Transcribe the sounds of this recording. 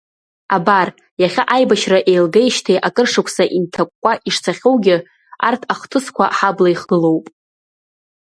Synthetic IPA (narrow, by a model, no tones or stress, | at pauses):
abar | jaχʲaʔajbaʃraʔe̞jlɡejʃtʰejʔakʼɨrʂakʷʰsaʔintʰakʷʼːaʔiʂt͡sʰaχʲowɡʲɪ | a̰rtʰaχtʰɨskʷʰa̰ħablaiχɡɨlo̞wpʼ